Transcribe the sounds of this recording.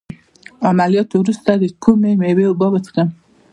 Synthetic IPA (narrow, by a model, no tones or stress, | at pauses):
amaljɑt̪owɾust̪ad̪əkʰumemewebɑbət͡skəm